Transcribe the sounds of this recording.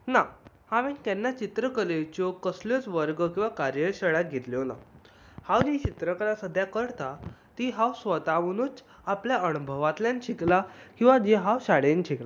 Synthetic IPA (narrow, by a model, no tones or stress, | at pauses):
na | haʋẽnk̪ɛnːat͡ɕit̪ɾəkəlejt͡ɕokəsljot͡sʋəɾɡəkĩw̃ʋakaɾjəɕəɭjaɡʱet̪ljona̰ | hãwd͡ʑit͡ɕit̪ɾəkəɾãsəd̪ʱjakəɾt̪at̪iɦawsʋət̪aʋənut͡s | apljaənubʱəʋat̪ljanɕiklakĩw̃ʋad͡ʑiɦawɕaɽenɕikla